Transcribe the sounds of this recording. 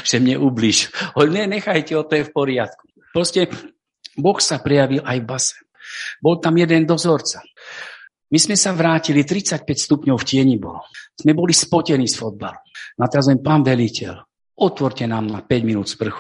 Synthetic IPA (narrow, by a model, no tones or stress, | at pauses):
ʒ̥ɛmɲɛʔuːbliːʒhɔɲɛɲɛxajcɛɔt̪ɔjɛfpɔɾɪat̪ku̥ | pɾɔscɛ | bɔxsapɾɛjaʋilʔajvbasɛ̥ | bɔlt̪amjɛd̪ɛnd̪ɔzɔɾt͡sa | mizmɛsaʋɾaːcilit̪ɾit͡sac̚pɛcst̪upɲɔʊfcɪɛɲibɔ̰lɔz̥mɛbɔlispɔcɛnisfɔd̪̚balunat̪ɛɾazɔɛmpaːnʋɛlicɛ̰l | ʔɔt̪ʋɔɾcɛnaːmnapɛɟminuːd̪spr̩xu̥